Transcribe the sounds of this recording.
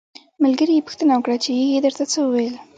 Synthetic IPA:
malɡəɾijepu̥xt̪ənawəkɽat͡ʃejejed̪əɾt̪at͡səwəwejl

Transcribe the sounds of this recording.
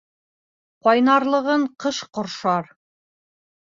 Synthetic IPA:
qɑjnɑɾlˠɤ̆ʁɤɴqɤʃqŏɾʃɑɾ

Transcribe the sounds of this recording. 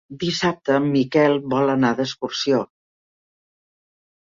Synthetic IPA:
d̪isap̚t̪əmikɛlˠβɔlənaðəskuɾsio

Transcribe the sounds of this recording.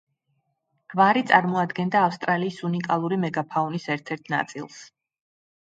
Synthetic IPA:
vaɾit̪sʼaɾmɔad̪ɡɛnd̪aːfst̪ʼɾaliːsunikʼalˠuɾimɛɡapʰaunisɛɾt̪ʰɛɾt̪ʰna̰t̪sʼḭlˠs

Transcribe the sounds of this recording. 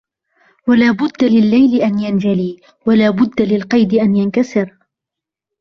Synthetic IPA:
walaːbʊd̪ːalɪlːajlɪʔanjand͡ʒaliː | walaːbʊd̪ːalɪlqɑjd̪ɪʔanjankasɪɾ

